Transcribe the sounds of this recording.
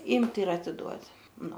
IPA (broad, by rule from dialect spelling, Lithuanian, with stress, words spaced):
ˈiːmʲtʲ ɪr ɐtʲɪˈduɔtʲ ˈnʊ